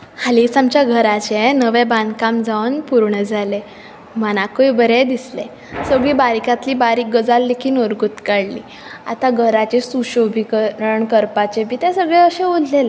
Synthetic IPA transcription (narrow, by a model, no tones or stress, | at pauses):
halisamt͡ɕjaɡʱəɾat͡ɕenəʋeband̪kamd͡zaʋənpuɾɳəd͡zʱale | mənakəjbəɾed̪isle | səɡɭiːbaɾikat̪liːbaɾiːk̚ɡəd͡zalːekʰiːnoɾɡut̪kaɽlḭː | a̰t̪aɡʱəɾat͡ɕesuɕobʱikəəɳkəɾpat͡ɕebiːt̪ɛ̃səɡɭɛəɕẽod̪ʱlela